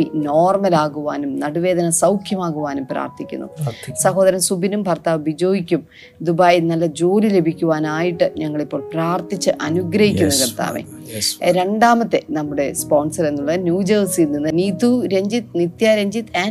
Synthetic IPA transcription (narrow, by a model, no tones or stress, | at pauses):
ino̞ːrmɐlaːɣuʋaːnumnɐɽuʋe̞ːd̪ɐnɐsɐwkʰjɐmaːɣuʋaːnumpra̰ːrt̪ikʲːṵnːṵsɐɦoːd̪ɐɾɐmsubinumbʱɐrt̪aːʋbid͡ʑoːjikʲːum | d̪ubaːjinɐlːɐd͡ʑo̞ːlile̞bʱikʲːuʋaːnaːjiʈːɨɲɐŋːɐɭipːo̞ːɭpraːrt̪it͡ɕːɨʔɐnuɡɾɐɦikʲːunːɐkɐrt̪ːa̰ːʋḛ | ɾe̞ɳɖaːmɐt̪ːe̞nɐmːuɽe̞spo̞ːnsɐre̞nːuɭːɐnjuːd͡ʑɐːrsilninːɨniːt̪ːuɾe̞ɲd͡ʑit̪nit̪jaːɾeɲd͡ʑit̪e